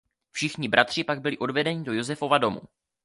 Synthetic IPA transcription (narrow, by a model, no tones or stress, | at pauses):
fʃɪxɲɪbɾʔat̪r̥ɪpaɡ̚bɪlɪʔo̞dvɛdɛɲɪdo̞jo̞zɛfo̞vado̞mṵ